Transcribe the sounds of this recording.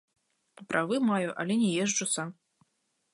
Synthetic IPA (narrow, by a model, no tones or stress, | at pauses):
pɾʔavɨmajuʔɐ̰lʲɛnʲɛjɛʐd͡ʒusam